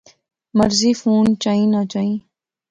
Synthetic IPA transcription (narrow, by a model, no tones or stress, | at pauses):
mɐɾzifuːnt͡ʃaːĩːnat͡ʃaːĩ